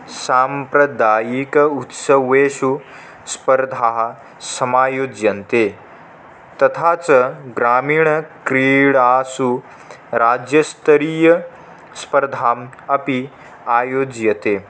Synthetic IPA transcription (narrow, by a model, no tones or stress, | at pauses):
saːmpɾɐd̪aːjikɐut̪sɐʋeːʃu | spɐɾd̪ʱaːɦɐ | sɐmaːjoːd͡ʒjɐnt̪eː | t̪ɐt̪ʰaːt͡sɐɡɾaːmiːɳɐkɾiːɽaːsu | ɾaːd͡ʒjɐst̪ɐɾiːjɐ | spɐɾd̪ʱaːm | ɐpi | aːjoːd͡ʒjɐt̪eː